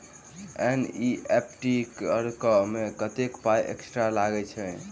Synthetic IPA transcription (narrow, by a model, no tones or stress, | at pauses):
ɛniepʈikəɾkəmekət̪ekpajʔḛksʈɾalaɡɛt͡ʃʰɛ